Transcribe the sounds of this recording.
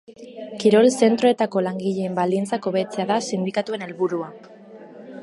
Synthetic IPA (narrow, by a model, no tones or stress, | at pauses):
kiɾo̞lse̞nt̪ɾo̞e̞t̪ako̞laŋɡiʎe̞ːmbald̪int͡sako̞βe̞t͡se̞aðasind̪ikat̪ue̞ne̞lβuɾua